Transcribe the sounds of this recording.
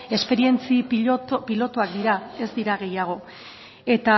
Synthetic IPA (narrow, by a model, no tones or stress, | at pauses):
e̞spe̞ɾie̞nt͡sipilo̞t̪uak̚d̪iɾae̞zd̪iɾaɣ̞e̞jaɣ̞o̞ | e̞t̪a